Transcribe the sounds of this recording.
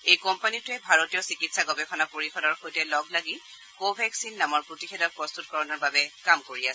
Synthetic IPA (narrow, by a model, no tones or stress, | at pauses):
ejkɔmpanitʊɛbʱaɹotijɔsikitsaɡɔbɛxʰɔnapoɹixɔdɔɹxojtɛlɔɡlaɡi | kobʱɛksinːamɔɹpɹotixɛdɔpɹɔst̪utkɔɹɔnɔɹbabɛkamkoɹias